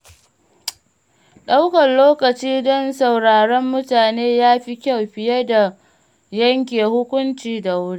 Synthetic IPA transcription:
ɗa˦wkɐ˨nloː˦kɐ˨t͡ʃiː˦dɔ˦nsa˨wɽaː˨ɽɔ˦mːʊ˦taː˨neː˦jaː˦ɸi˦kʲɐ˦˨wɸɪ˨jɐ˦da˨ | jɐ˦ŋk̬ʲeː˨hʊ˦kʷʊ˦nt͡ʃiː˨da˨wʊ˦ɽi˦ʔ

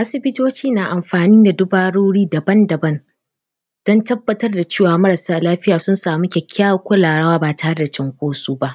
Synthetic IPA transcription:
ʔa˦sɪ˦bɪ˦toː˦t͡ʃiː˦naː˨ʔa˨mɸaː˨niː˦da˨dʊ˦baː˨ɽoː˦ɽiː˦dɐ˨bɐ˦ndɐ˨bɐ˦n | d̥ɔ˦ntɐ˦bːɐ˨tɐ˦rda˨t͡ʃeː˦˨waː˨mɐ˦ɾɐ˨saː˦laː˦ɸɪ˦jaː˨sʊ˦nsaː˨mu˦kʲɛ˨kʲʰːaː˦kʷʊ˦laː˨ɽɐ˦waː˦baː˨ta˨ha˦rda˨t͡ʃɪ˦ŋkʷoː˦suː˦ba˦ʔ

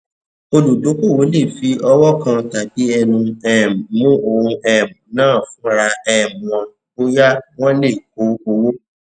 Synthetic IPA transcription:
o˧lu˨do˨˦ko˦˨wo˨˦le˦˨fi˨˧˦ɔ˧wɔ˦kã˧ta˨bi˨˦ɛ˧nũ˧ɛ˦˨m˨mũ˦ʔo˧˨ũ˧ɛ˦˨m̩˨nãː˦˨fũ˦ɾa˧ɛ˨m˨w̃ɔ̃˨ | o˦ja˦w̃ɔ̃˦le˦˨ko˨˦o˧wo˦

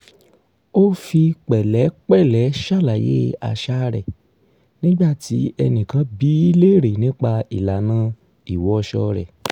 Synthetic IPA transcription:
o˦fi˧k͡pɛ˨lɛ˨˦k͡pɛ˦˨lɛ˨˦ʃa˦˨la˨jḛ˦a̰˧ʃa˦ɾɛ˨ | nĩ˦ɡ͡ba˦˨ti˨˦ɛ˧nĩ˨kã˨˦bi˨˦i˦le˦˨ɾe˨nĩ˨˦k͡pa˧i˨la˨nã˧˦ | i˨wɔ˨˦˧ʃɔ˧ɾɛ̰˨

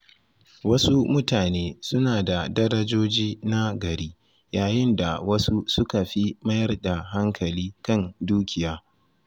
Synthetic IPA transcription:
wɐ˦su˦mʊ˦taː˨neː˦sʊ˦naː˨da˨dɐ˦ɾɐ˦d͡ʒoː˦d͡ʒiː˦na˦ɡɐ˨ɾiː˦ | jaː˨jɪ˦nda˨wɐ˦su˦sʊ˦ka˨ɸi˦mɐ˦jɐ˦rda˨ɦa˦ŋkʰɐ˨liː˦kɐ˦nduː˦kʲɪ˨jaː˦

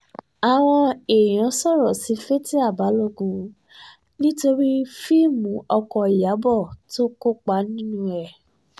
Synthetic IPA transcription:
a˨w̃ɔ̃˧e˨j̃ã˨˦sɔ˦˨ɾɔ˨si˨˦fe˦ti˦a˦˨ba˨˦lɔ˦˨ɡũ˧˦ | nĩ˦to˧ɾi˦fi˦˨mũ˨˦ɔ˧kɔ˧i˨ja˨˦bɔ˦˨to˦ko˦k͡pa˨˦nĩ˦nũ˦ɛ˦˨

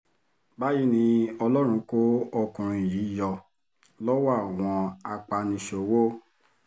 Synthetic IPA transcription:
ba˦ji˦nĩ˧ɔ˧lɔ˦ɾ̃ũ˧ko˦ɔ˧kũ˨ɾ̃ĩ˨ji˨˦jɔ˧˨ | lɔ˦wa˦˨w̃ɔ̃˧a˧k͡pa˧nĩ˧ʃo˨wo˦

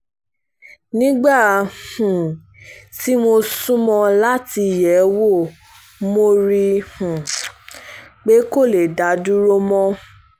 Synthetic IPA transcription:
nĩ˦ɡ͡ba˦˨hũ˨ | ti˦mo˧sũ˦mɔ̃˧la˦ti˧˨jɛ˨˦wo˦˨ | mo˧ɾi˧hũ˨ | k͡pe˦ko˦˨le˨da˨˦du˦ɾo˦mɔ̃˦

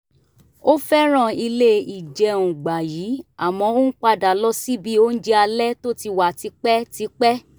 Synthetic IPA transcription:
o˦fɛ˦ɾ̃ã˦˨i˧le˦i˨d͡ʒɛ˧ũ˨ɡ͡ba˨jiː˨˦a˨mɔ̃˧˦o˦n̩˦k͡pa˧da˨lɔ˦si˦bi˦o˦n̩˦d͡ʒɛ˦a˧lɛ˦to˦ti˧wa˨ti˨˧˦k͡pɛ˦ti˧˦k͡pɛ˦

